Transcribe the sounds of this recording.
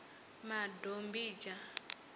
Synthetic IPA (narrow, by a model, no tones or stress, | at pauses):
madombid͡ʒa